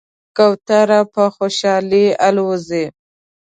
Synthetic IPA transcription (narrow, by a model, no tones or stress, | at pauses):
kawt̪aɾapəxoʃɑlialwozi